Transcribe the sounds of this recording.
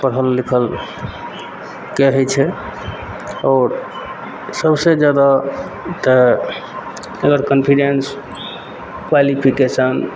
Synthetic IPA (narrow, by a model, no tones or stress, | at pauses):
pəɾɦəlːikʰəl | kɛɦɛt͡ʃʰɛ | ɔɾ | səbsed͡ʒad̪a | t̪ə | əɡəɾkənpʰiɖens | kwalipʰikesən